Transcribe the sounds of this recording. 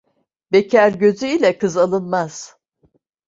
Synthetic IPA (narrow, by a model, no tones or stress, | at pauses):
becʰæɾɟø̞zyilʲɛkɯzalˠɯnmaz̥